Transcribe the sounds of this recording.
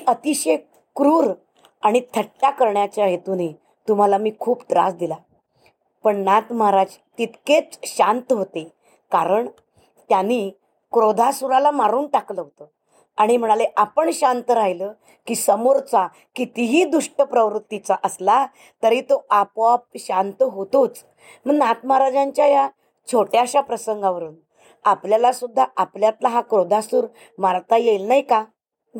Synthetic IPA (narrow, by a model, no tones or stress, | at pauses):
iət̪iɕe | kɾuːɾ | aɽ̃it̪ʰəʈːjakəɾɳjat͡ɕjajet̪uni | t̪um̤alamiːkʰuːpd̪ɾa̰sd̪ila | pəɳnat̪maɾad͡ʑ | t̪it̪ket͡sɕant̪əɦot̪e | kaɾəɳ | t̪janːiː | kɾod̪ʱasuɾalamaɾuːnʈakləɦot̪ə | aɽ̃im̤əɽ̃aleʔapəɳɕant̪əɾaɦilə | kiːsəmoɾt͡sa | kit̪iɦiːd̪uʂʈəpɾəʋɾut̪ːit͡saʔəsla | t̪əɾiːt̪oapʋap̚ɕant̪əɦot̪ut͡s | m̤əɳnat̪maɾad͡ʑaɲt͡ɕjaja | t͡sʰoʈjaɕapɾəsəŋɡaʋəɾuːn | apljalasud̪ʱːaʔapljat̪laɦakɾod̪ʱasuːɾ | maɾt̪ajelnaɦjka